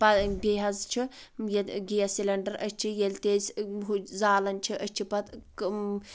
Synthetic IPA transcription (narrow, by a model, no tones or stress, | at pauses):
pɐbeːɦɐzt͡ʃʰijet̪ɡijɐsilɐɳɖɐɾɐsʲt͡ʃʰijelʲt̪eːsɦuzaːlɐnt͡ʃʰiʔɐt͡ʃʰipɐt̪k